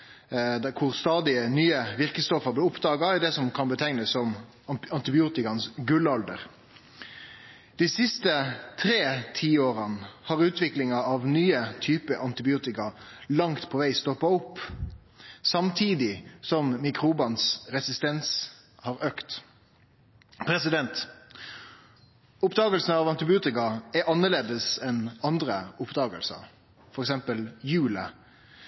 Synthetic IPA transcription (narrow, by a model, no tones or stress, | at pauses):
d̪kʰʊʁst̪ɑːd̪ɪənyːəʋɪʁkəst̪ɔfːɑʁblɪʊpd̪ɑːɡɑɛd̪ɛsɔmkʰɑnbət̪ʰæɪnəsːɔm | ɑnt̪ɪbɪuːt̪ɪkɑnsɡʉlːɑld̪ə̰ʁ | d̪̥isɪst̪ət̪ʰɾeːt̪ʰiːoːʁɑnhɑːʁʉːt̪ʰʋɪklɪŋɑɑʋnyːət̪ʰyːpəʔɑnt̪ɪbɪuːt̪ɪkɑ | lɑŋt̪pʰɔʋæɪst̪ɔpːɑʊpː | sɑmt̪ʰiːd̪ɪsɔmmɪkʰɾuːbɑnsʁɛsɪst̪ɛns | hɑʁøːkt̪ | pʰɾɛsɪd̪ɛnt̪ | ʊpd̪ɑːɡəlsn̩ɑʋɑnt̪ɪbɪuːt̪ɪkɑɛʔɑnːəleːd̪əsɛnɑnd̪ɾəʊpd̪ɑːɡə̰lsə̰ | fɔɾɛksɛmpəljʉːlə̰